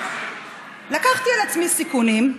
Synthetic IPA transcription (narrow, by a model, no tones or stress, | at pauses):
lakaχt̪ialat͡smisikunim